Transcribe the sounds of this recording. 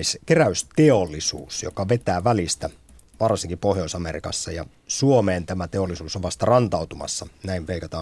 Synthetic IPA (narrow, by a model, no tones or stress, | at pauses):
skeræyst̪eolːisṵːsjo̰kɑʋet̪æːʋælist̪æ | ʋɑrsiŋkipohjoisɑmḛrḭkɑ̰sːɑjɑ̰ | suomeːnt̪æmæt̪eolːisuːsoʋɑst̪ɑrɑnt̪ɑut̪umɑ̰sːɑnæiʋʋeikɑt̪ɑː